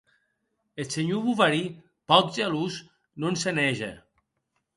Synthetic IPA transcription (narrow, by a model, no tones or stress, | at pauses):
eseɲuβuvaɾi | pɔt̪̚ʒaluz | nonsenɛʒḛ